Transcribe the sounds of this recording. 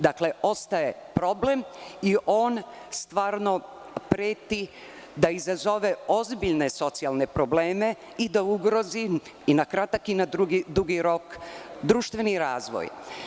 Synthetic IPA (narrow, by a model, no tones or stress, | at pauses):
d̪akle̞o̞st̪ajepɾo̞ble̞miʔo̞ːnst̪ʋaːɾno̞ | pɾeːt̪i | d̪aizazo̞ʋe̞o̞zbiʎne̞so̞t̪sialne̞pɾo̞bleːme̞ | id̪auɡɾo̞zi | inakɾat̪akinad̪ɾuɡid̪uɡiɾo̞kd̪ɾuːʃt̪ʋe̞niɾaːzʋo̰j